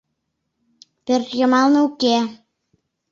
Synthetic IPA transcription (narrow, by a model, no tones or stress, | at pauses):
pɘrjɤ̆mɑlnɤuke